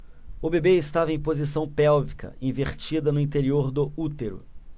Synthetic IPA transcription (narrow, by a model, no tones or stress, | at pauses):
ʊbebeɪst̪avɐẽj̃pozisɐ̃w̃pɛwvikʰɐ̰ĩveɾt͡ʃid̪ɐnʊĩnt̪eɾioɾd̪ʊut̪eɾʊ̰